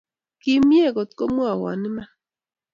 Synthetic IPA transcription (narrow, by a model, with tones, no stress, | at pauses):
ki˦mje˦˨ko˨t̪ko˦mu˦a˨wɔ̰˨nɪ˦ma˦